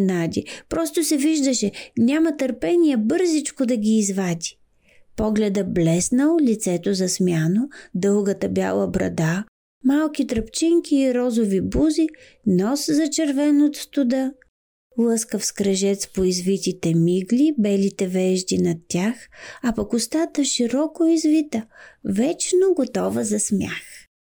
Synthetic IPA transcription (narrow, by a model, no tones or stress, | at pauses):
nad̪ʲipɾɔst̪osɛviʒd̪əʃɛnʲamɐt̪əɾpɛnʲijɛbɤɾzit͡ʃkod̪ɐɡʲiːzvad̪ʲi̥ | pɔɡlɛd̪əblɛsnəlˠlit̪sɛt̪ozɐsmjanod̪ɤlˠɡət̪əbʲja̰lˠəbɾɐ̰d̪a | malˠkit̪ɾɐpt͡ʃɛŋkʰʲiːɾɔzovibuzi | nɔszɐt͡ʃɛɾvɛnot̪st̪ʊd̪ə | lˠəskəfskɾɐʒɛt̪spoizvit̪it̪ɛmiɡlibɛlit̪ɛvɛʒd̪inɐt̪ʲːjaxapɐkʊst̪at̪əʃiɾɔkoizvit̪əvɛt͡ʃnoɡot̪ɔvəzɐsmʲja̰x